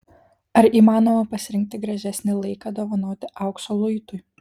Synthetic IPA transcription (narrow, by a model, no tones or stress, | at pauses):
ɐɾiːmɑːnoːmɐpɐsʲɪɾʲɪŋʲk̚t̪ʲɪɡɾɐʒʲɛsʲnʲɪlˠɐɪkɐd̪oːʋɐnoːt̪ʲɪʔɐʊksoːlˠʊjt̪ʊj